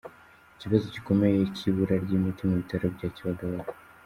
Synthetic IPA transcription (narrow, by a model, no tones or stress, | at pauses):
ciβazociko̞me̞jecʰiβuɾaɾɟimitimuβitaɾebɟaːciβaɡaβaɾa